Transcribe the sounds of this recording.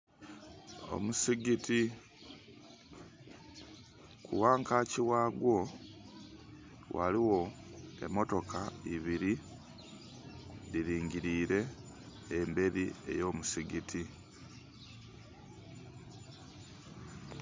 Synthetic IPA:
o̰musiɡiti | kʰṵwaːŋkaciwaːɡwo̞ | wʔa̰liwo̞e̞̰mo̞to̞kaiβiɾi | diɾiːŋɟiɾiːɾe̞ː | mbe̞ɾie̞̰jo̞ːmusiɡitʰi

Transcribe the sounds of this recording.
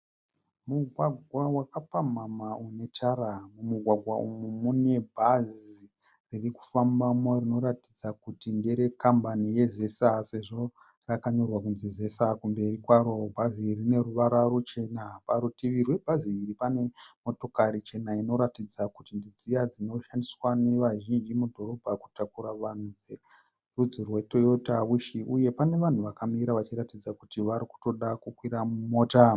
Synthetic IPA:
muɡʱwaɡʱwawakapamamaune̞t͡ʃaramumuɡʱwaɡʱwaumumune̞bʱazi | ririku̥fambamorino̞ɾatid͡zakutindeɾe̞kambanije̞ze̞sase̞ʐo̞ | rakaɲo̞rwakunzize̞sakumbe̞rikwaɾo̞bʱazirine̞ruʋaɾarot͡ʃe̞napaɾutiʋirwe̞bʱaziːripane̞mo̞to̞karit͡ʃe̞naino̞ɾatid͡zakutindid͡zijad͡zino̞ʃandiswaneʋaʒind͡ʒimudʱo̞ɾo̞bʱaku̥takuɾaʋan̤ud͡ze | rud͡zirwe̞to̞jotaʋuʃiʔuje̞pane̞ʋan̤uʋakamiɾaʋat͡ʃiɾatid͡zakutiʋaɾiku̥to̞ɗakukwiɾamumoːta

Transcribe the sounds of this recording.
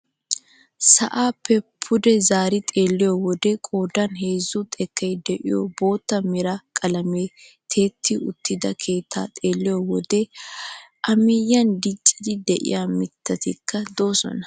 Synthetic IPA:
sɐʔaːpːɛpʰːʊd̪ɛzaːɾɪt̪ʼe̞ːlːɪjɔwɔd̪ɛkʼo̞ːd̪ɐnɦe̞ːzʊt̪ʼɛkʰːɛjd̪ɛʔɪ̰jobo̞ːt̪ːɐmɪɾɐkʼɐlɐmeː | t̪ʰe̞ːt̪ʰːɪʊt̪ʰːɪd̪ɐkʰe̞ːt̪ʰːa̰ːt̪ʼeːlːɪjɔwɔd̪ɛ | ʔɐmɪjːɐnd̪ɪt͡ʃʼːɪd̪ɪd̪ɛʔɪ̰jamɪt̪ʰːɐt̪ɪkʰːɐd̪o̞ːsɔ̰nɐ

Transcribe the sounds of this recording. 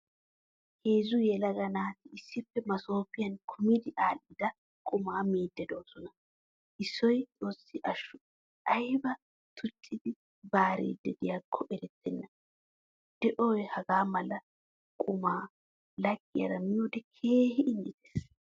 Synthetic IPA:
heːzʊjɛlɐɡɐnaːt̪ɪɪsːɪpːɛmɐso̞ːpɪjɐnkʰʊmɪd̪ɪʔaːlːɪd̪ɐ | kʼʊmaːmiːd̪ːɛd̪o̞ːsɔnɐ | ʔɪsːɔjt͡sʼo̞ːsːɪʔɐʃːʊ | ʔɐjbɐ | t̪ʰʊt͡ʃʼːɪd̪ɪ | baːɾḭːd̪ɛd̪ɪjakʰːɔʔɛɾɛt̪ʰːɛnːɐ | d̪̥ɛʔoːjhɐɡaːmɐlɐ | kʼʊmaː | lɐɡʼːɪjɐ̰ɾɐmɪjuːd̪ɛkʰeːhɪɪnːɪt̪e̥ːs

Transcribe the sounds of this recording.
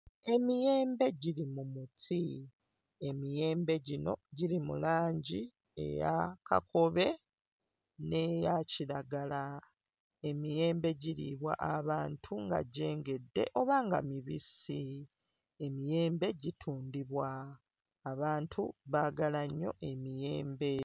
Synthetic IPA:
e̞mije̞ːmbe̞ɟilimumutʰi | e̞mije̞ːmbe̞ɟino̞̰ɟilimṵlaːɲɟi | e̞̰ja̰kʰa̰ko̞βe̞ | ne̞jaciɾaɡala | e̞mije̞ːmbe̞ɟiɾḭβwa̰ʔaβaːntʰuŋɡa̰ɟe̞ːŋɡe̞dːe̞̰ʔo̞βaŋɡa̰miβisi | e̞mije̞ːmbe̞ɟitʰuːndiβwaː | βaːntʰuβaɡalaɲːo̞̰ʔe̞mije̞ːmbe̞

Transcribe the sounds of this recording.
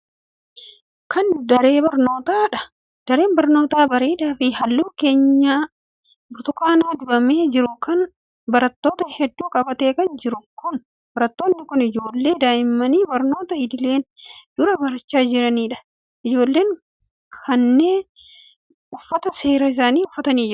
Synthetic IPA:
kɐnd̪ɐɾe̞ːbɐɾno̞ːt̪aːᶑɐ | d̪̥ɐɾe̞ːnbɐɾno̞ːt̪aːbɐɾeːd̪aːfɪhɐlːuːke̞ːɲːaː | bʊɾt̪ʊkaːnaːd̪ʊbɐmeːd͡ʒɪɾʊkɐn | bɐɾɐt̪ːo̞ːt̪ɐhɛd̪ːuːkʼɐbɐt̪e̞ːkɐnd͡ʒɪɾʊkʊn | bɐɾɐt̪ːo̞ːnːɪkʊnɪd͡ʒo̞ːlːe̞ːd̪aːjɪmːɐniːbɐɾno̞ːt̪ɐɪd̪ɪle̞ːnd̪̥ʊɾɐbɐɾɐt͡ʃːaːd͡ʒɪɾɐniːᶑɐ̥ | ʔɪd͡ʒo̞ːlːe̞ːŋ | kʰɐnːe̞ː | ʊfːɐt̪ɐse̞ːɾɐɪs̬aːniːʊfːɐt̪ɐniːd͡ʒɪɾʊ̥

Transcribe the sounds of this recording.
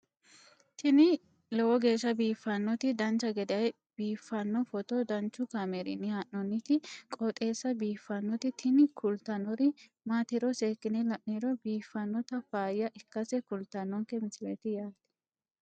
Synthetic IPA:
t̪ʰɪnɪ | lɔwɔɡe̞ːʃːɐbiːfːɐnːɔt̪ɪd̪ɐnt͡ʃːɐɡɛd̪ɪɐj | b̥iːfːɐnːɔfɔt̪ɔd̪ɐnt͡ʃːʊkameɾɪ̰nːɪhaʔnɔnːɪt̪ɪkʼɔt̪ʼe̞ːsːɐbiːfːɐnːɔt̪ɪt̪ʰɪnɪkʰʊlt̪ɐnːɔɾɪ | maːt̪ɪɾɔseːkːɪnɛlɐʔniɾɔbiːfːɐnːɔt̪ɐfaːjɐʔɪkːɐsɛkʊlt̪ɐnːɔŋkɛmɪsɪlḛːt̪ɪjaːt̪ːɪ̥

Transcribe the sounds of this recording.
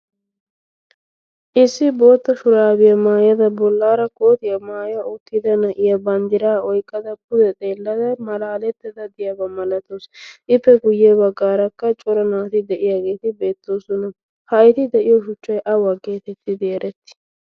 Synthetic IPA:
ʔɪsːɪbo̞ːt̪ːɐʃʊɾaːbɪjɐmaːjɐd̪ɐbɔlːaːɾɐko̞ːt̪ɪjɐmaːjɐot̪ːɪd̪ɐnɐʔɪjɐbɐnd̪ɪɾaːɔjkʼːɐd̪ɐkʊd̪ɛt̪ʼeːlːɐd̪ɐmɐlaːlɛt̪ːɪd̪ɐd̪ɪjɐbɐmɐlɐt̪osʔɪpːɛɡʊjːɛbɐɡːaːɾɐkːɐt͡ʃʼɔɾɐnaːt̪ɪd̪ɛʔɪjaːɡe̞ːt̪ɪbe̞ːt̪ːo̞ːsʊnɐ | hɐjɪt̪ɪd̪ɛʔɪjɔʃʊt͡ʃːɐjʔɐwɐɡːe̞ːt̪ɛt̪ːɪd̪ɪɛɾɛt̪ːɪ̥

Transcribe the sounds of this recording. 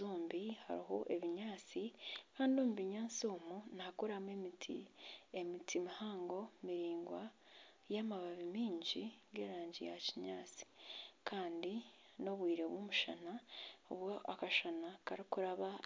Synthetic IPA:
uːmbiha̰ɾiɦo̞ʔeβiɲaːt͡sikaːndiomuβiɲaːt͡sioːmunaːkuɾamemitʰḭemitʰimihaːŋɡo̞miɾiːŋɡwa | jamaβaβimiːɲɟiɡe̞̰ːɾaːɲɟija̰ciɲaːt͡si̥kʰaːndi | no̞βwiːɾe̞βwomuʃa̰nao̰βwoakaʃanakaɾikuɾaβa

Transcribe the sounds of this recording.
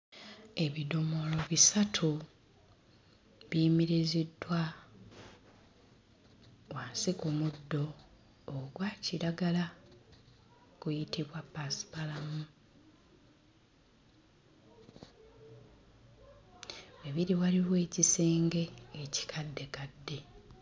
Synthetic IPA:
e̞βido̞mo̞lo̞βisatʰu | βjiːmiɾizidːwa | waːnsikumudːo̞ː | ɡwaːciɾaɡala | kujitiβwapːasi̥palamu | e̞βiɾiwaliβe̞ːcise̞ːŋɡe̞ːci̥kʰadːe̞kadːe̞

